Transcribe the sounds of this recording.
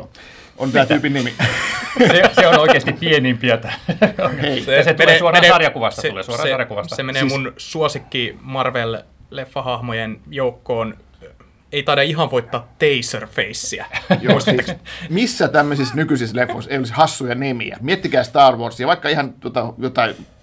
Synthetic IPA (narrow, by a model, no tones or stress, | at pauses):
ʔont̪æːt̪yːpinnimi | seseonnoˑikeːst̪ippienimpiæt̪æheiset̪leːsuoreɑrjɑkuʋɑsselḛːsuɑrjɑkuʋɑssemeneːmunsuosikːimɑrʋellefːɑhɑhmojenjoukːoːn | eit̪ɑidɑiɦɑʋʋoit̪ːɑːt̪ːeisørfeisːiæjosiːmisːæt̪æmːøsisnykysislefːoseijolishɑsːujɑnimḭæ̰miet̪ːikæːst̪ɑːrʋoːrsiɑʋɑikːɑihɑnt̪uot̪ɑjot̪ɑi